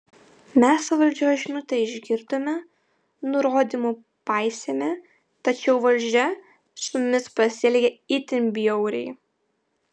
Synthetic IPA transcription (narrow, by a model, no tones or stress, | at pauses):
mʲɛsʋɐlʲd͡ʒʲoːʒʲɪnʊt̪ɐɪɪʒʲɡʲɪɾd̪oːmʲɛ | nʊɾoːd̪ʲimu | pɑɪsʲeːmʲe | t̪ɐt͡ʃʲɛʊʋɐlʲˑd͡ʒʲɛ | sʊmʊmʲɪspɐsʲɪɛlʲɡʲɛɪt̪ʲɪmʲbʲɪjɔʊɾʲɛ̰ɪ